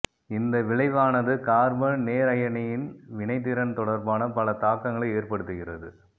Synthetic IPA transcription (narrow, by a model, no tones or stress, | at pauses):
ɪnd̪ɐʋɪɭɐɪʋaːnɐðɯkaːɾbɐnneːɾɐjɐɳɪjɪnʋɪnɐɪt̪̬ːɪɾɐnt̪ɔɽɐɾbaːnɐpɐlɐt̪aːkːɐŋɡɐɭɐɪeːɾpɐɽɯt̪ːɯɣɪrɐ̰ðɯ̰